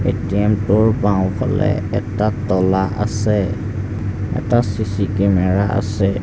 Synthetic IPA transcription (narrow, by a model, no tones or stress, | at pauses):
ḛtiamtʊɹbãʊ̃pʰɔ̰lɛ̰ɛtatɔlaʔa̰sɛ | ɛ̰tasisikɛmɛɹaʔa̰sɛ